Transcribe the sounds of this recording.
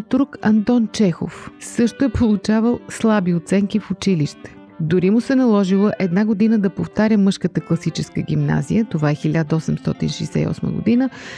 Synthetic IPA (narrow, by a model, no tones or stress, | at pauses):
t̪ɾukɐnt̪ɔnt͡ʃɛxo̰fsɤʃt̪oɛpolˠut͡ʃavəlˠslˠabiot̪sɛŋkifʊt͡ʃiliʃt̪ɛ̥ | d̪ʊɾimʊsɛnɐlˠɔʒilˠəʔɛd̪naɡod̪inəd̪ɐpoft̪aɾʲəmɤʃkət̪əklˠɐsit͡ʃɛskəɡ̟ʲimna̰zḭjət̪ovaɛxilʲad̪əɔsɛmst̪ɔ̰t̪ḭnʃɛ̰jsɛ̰ḭɔ̰smə̰ɡo̰d̪inə